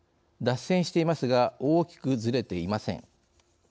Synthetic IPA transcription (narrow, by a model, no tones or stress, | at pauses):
d̪asẽ̞ɰ̃ɕi̥t̪e̞imasɨɡaoːkʲi̥kɯ̟zɨɾe̞t̪e̞imasẽ̞̰ŋ